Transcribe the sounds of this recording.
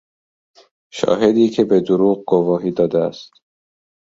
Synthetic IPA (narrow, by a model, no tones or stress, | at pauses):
ʃɒ̰ːɦed̪iːkʰe̞be̞d̪oɾuːɣ̚ɡovɒːɦiːd̪ɒːd̪eæst̪